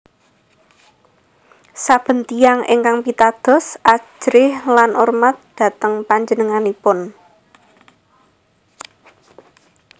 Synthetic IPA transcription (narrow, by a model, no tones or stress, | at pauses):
sab̥ə̤nt̪ijaŋʔḛŋkaŋpit̪ad̪̥ɔ̤sʔḁʒ̥ɾɪhlanʔurmat̪̚d̪̥ä̤t̪əŋpaɲd͡ʒənəŋanipʊn